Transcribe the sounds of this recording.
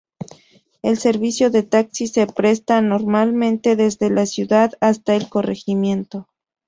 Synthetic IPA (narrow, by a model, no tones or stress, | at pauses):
e̞lse̞ɾβisjo̞ðe̞t̪aksise̞pɾe̞st̪ano̞ɾmalmẽ̞nt̪e̞ðe̞zðe̞lasjuðaðast̪aelko̞re̞ximjẽ̞nt̪o̞